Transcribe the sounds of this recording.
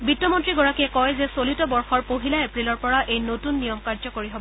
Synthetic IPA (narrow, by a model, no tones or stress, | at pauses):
bitːɔmɔntɹiɡɔɹakiɛkɔjzɛsolitɔbɔɹxɔɹpoɦilaepɹilɔɹpɔɹaʔejnotunːijɔmkaɹzɔkoɹiɦobɔɔ